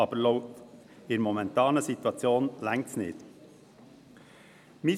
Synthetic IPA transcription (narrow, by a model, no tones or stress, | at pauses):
ɑbəloʊt̪ | ɪɾmɔmɛnt̪ɑːnəsit̪uɑt͡sjoːnlæŋt͡snɪ̰ːd̥̪ | mɪ